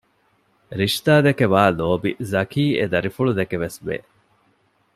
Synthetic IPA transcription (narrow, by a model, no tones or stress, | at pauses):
ɾiʃt̪aːd̪ekeʋaːloːbizɐkiːʔḛd̪ɐɾifuɭud̪ekeʋesʋḛː